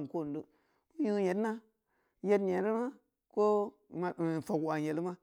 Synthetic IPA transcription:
n˨ko˦˨n˨du˦ | mu˦ji˦je˨tna˦ | je˦tɲe˨˦ɾi˦ma˦ | ko˦˨ | fo˨ka˨je˨li˦ma˦

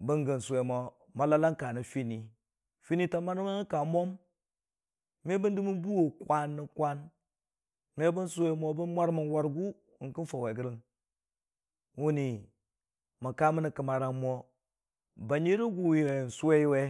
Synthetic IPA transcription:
bə˦ŋɡə˨n˨se˨mo˨ | ma˨la˦la˦ŋka˨ni˨fi˦ni˨ | fi˦ni˦ta˨ma˦n˦ma˦n˦ka˨mo˦m | me˦bə˦ndi˦mi˦nbu˦wo˨kʷa˦nːi˨kʷa˦n | me˦bə˦nsu˦we˦mo˦bə˦nmʷa˦ɾmə˨nwa˦ɾɡu˦˨ | ki˦nfo˨we˨ɡə˦ɾə˦n | wu˦ni˨ | ma˨ka˦mə˦ni˨kə˨ma˨ɾa˨mo˦ | ba˨ɲi˦ɾi˦ɡu˦˨wi˨e˨n˨su˦we˦i˦we˦

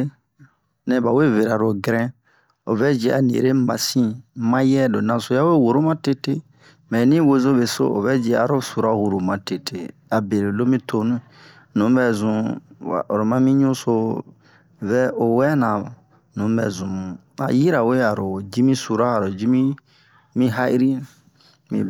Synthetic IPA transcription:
nɛ̃˨˦ba˨we˦ve˨ɾa˨ɾo˨ɡɾɛ̃˦ | o̰˨vɛ˦d͡ʒe˦ʔa˨nḭ˨ɾe˦mã̰˨sĩ˦mã˦jɛ˦do˨nã˨so˦ja˦we˦˨wo˨ɾo˦mã˦te˦te˦ | mɛ̃˨nĩ˦we˦zo˦βe˨so̰˦ʔo̰˨vɛ˦d͡ʒe˧˦a̰˨ɾo˦su˨ɾa˦hu˨ɾu˨mã˨te˦tʰe˦ | a˨be˨ɾe˨lo˦mĩ˦tʰo˦nũ˦˨ | nũ˨˦bɛ˨zũ˨a̰˨o˨ɾo˨mã˦mĩ˦ɲũ˦so˦ | vɛ˦o˨wɛ˦nã˨ | nũ˨˦bɛ̰˨zũ˨mũ˨ | a̰˨ji˦ɾa˨we˦a˨ɾo˨d͡ʒi˦mĩ˦su˨ɾa˦a˨ɾo˨d͡ʒi˦mĩ˦ | mĩ˦ɦa˦i˦ɾi˦ | mḭ̃˨

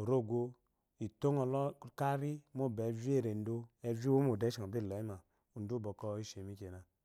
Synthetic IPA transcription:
o˨ɾo˦˨ɡo˦ | i˨to˦ŋɔ˨lɔ˦ka˦ɾi˦m˦o˦˨bɛ˨˦vi˦e˦˨ɾe˨n˦do˦ɛ˦vi˦wo˦m˦o˨dɛ˨˦ʃi˨ɔ˨bi˦˨lɔ˨˦i˦ma˨ | u˨n˦du˦bɔ˨kɔ˦i˦ʃe˨mi˦ke˨na˨

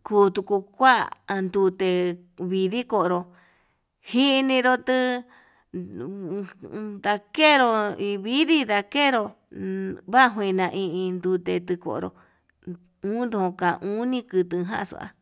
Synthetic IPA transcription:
kuː˧t̪u˧ku˧kʷa˦˧nd̪u˧t̪e˧ | βi˧ði˦ko˧˨˧ɾo˧ | hi˦˧nĩ˧ɾo˧t̪ɨ˦ | d̪a˧ke˦ɾo˧i˧βi˦ði˦d̪a˧ke˦ɾo˧ | βa˦ɦũ˧ĩ˧nã˧ʔĩ˧ʔĩ˧nd̪u˧t̪e˧t̪ɨ˧ko̰˧˨ɾo̰˧ | ũː˦nd̪o˧õ˧kã˨˧ʔũ˦nĩ˦kɨ˧t̪ɨ˧ɦã̰˦˧sṵ˧˨a̰˧

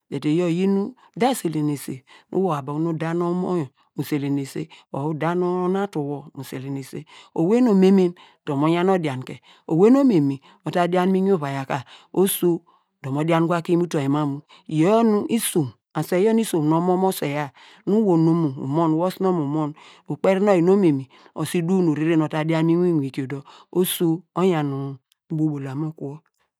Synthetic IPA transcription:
de˨te˨jo˦˨ji˦nu˦ | da˦˨se˨le˨ne˨se˨nʔṵ˦wo˨a˨ba˨˦nu˦da˦no˦mo˦˨ | mu˨se˨le˨ne˨sḛ˦o˨u˦da˦no˦na˦tu˨wo˨mu˨se˨le˨ne˨se˦o˨we˦no˨me˦me˦n | d̥o˨mo˨˦ɲa˦no˦dja˨n˨ke˨ | o˨we˦n˦o˦me˨mi˨ | o˨ta˦di˦a˦n˦mi˦ɲ˦o˦βa˨ja˨ka˨o˦so˦ | do˨mo˨da˦n˦ɡʷa˦ki˦mu˦to˨e˨ma˦mu˨ | i˨jo˦nu˦ʔi˦su˨m | a˨se˨jo˦n˦i˦so˨m˨no˨˦mo˦mo˦se˨ja˦ | nu˦wo˨no˦mu˨ṵ˨mo˦n˨wo˦sno˦mu˨mo˦n | u˨k͡pe˦ɾi˦no˦ji˨no˦me˨mi˨ | o̰˨si˦du˦nu˨ɾi˦ɾe˦no˨ta˨˦dja˦nmi˦n˦i˦nʷ˨i˨ko˨do˦o˦su˦o˦ja˨nu˨˦ | bo˦bo˨la˨mo˦ku˦o˦

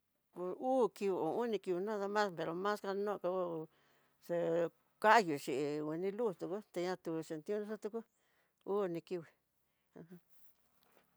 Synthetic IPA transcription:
pu˧uː˦ki˧wi˧õ˨ũ˦nĩ˧ki˧wi˧nõ˦ða˧mã˦spe˨˧ɾo˨˧mã˦ska˧nõ˦˧ka˧u˦ | se˧ | ka˦ju˨t͡ʃi˨wi˧nĩ˧lu˦˨st̪u˨ku˦t̪e˧ɲã˧t̪u˧˨se˨nt̪ĩ˦ũ˦nĩ˦sa˦t̪u˧ku˦ | uː˦nĩ˧ki˧wi˨ | ã˧hã˦

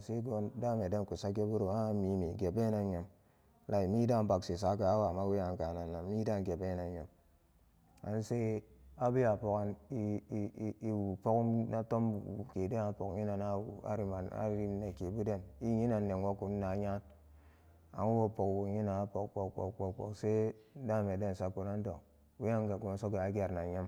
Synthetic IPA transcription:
se˦ɡo˦n˦da˦˨me˨de˦n˦ku˨sa˦ke˦bu˦ɾo˨a˦mi˨˦mi˨ɡe˨be˦na˨˦ɲe˨m˦ | la˨i˨mi˦da˦m̩˦ba˨ksi˨sa˨˦ka˨a˦wa˨ma˦we˦ja˨ŋ̩˦ka˨na˨na˨˦mi˦da˦ŋ̩˦ɡe˨be˦na˨˦ɲe˨m | a̰˨n̩˦se˦a˦bi˦a˨po˨ka˨n˦ | i˦wu˨po˦kna˦to˦m˨wu˨ke˨de˦na˨po˨kɲi˦na˨na˦wṵ˨a̰˨ɾi˦ma˨na̰˦ɾi˦ne˨ke˨˦bu˦de˦ni˦ɲi˦na˨n̩˦ne˨ŋ˦wo˦ku˨n̩˦na˨˦ɲa˦n | a̰˨ŋu˦wo˦˨po˨kwu˨ɲi˦na˨a˦po˨kk͡po˨kk͡po˨k͡po˨k͡po̰˨kse˦n̩˦da˦˨me˨de˦n˨sa˦˨ko˨na˦n̩˦do˨k | wi˦ja˦ŋ˦ka˨ɡo˨ma˨˦so˦ke˨a˦ɡʲa˨ɾna˨ɲi˦m

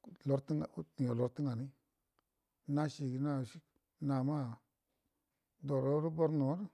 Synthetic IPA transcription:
lo˨˦ɾt̪i˦ŋa˨˦ni˨o˨lo˨ɾt̪ə˦ŋa˨ni˦ | na˦ʃi˨ɡi˧na˦˨ʃi˦ | na˨ma˦˨ | d̪o˨ɾo˦ɾu˦bo˧ɾno˨˦ɾ

